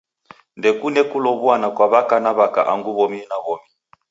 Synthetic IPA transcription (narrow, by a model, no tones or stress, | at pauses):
ndɛkunɛkulɔβwanakwaβakanaβaka̰ʔaŋɡuβɔminaβɔmi